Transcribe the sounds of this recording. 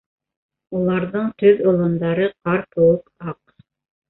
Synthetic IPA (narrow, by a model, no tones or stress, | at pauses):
ulˠɑɾðɤɴt̪ɵðŏlˠɤ̆nd̪ɑɾɤqɑɾpŏwɤqɑq